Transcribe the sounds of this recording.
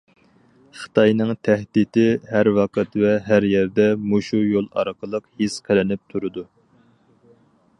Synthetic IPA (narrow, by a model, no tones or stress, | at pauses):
χə̥t̪ʰɑjnɨŋt̪ʰæhd̪it̪ɪɦæɾwɑqʰət̪vɛɦæɾjɛɾd̪ɛmuʃujolˠɑ̰ɾqʰəlˠəqhisqʰelɪnɪp̚t̪ʰuɾɨd̪u